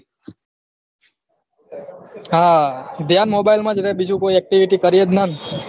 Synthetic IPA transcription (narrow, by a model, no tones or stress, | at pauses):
ɦad̪ʱjanmobailmãd͡ʒɾɛɦbid͡ʒũkoiɛk̚ʈiʋiʈikəɾijed̪nan